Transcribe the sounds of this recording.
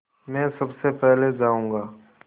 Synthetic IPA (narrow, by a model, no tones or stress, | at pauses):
mɛ̃ːsɐbsepɛɦled͡ʒaːũːŋɡaː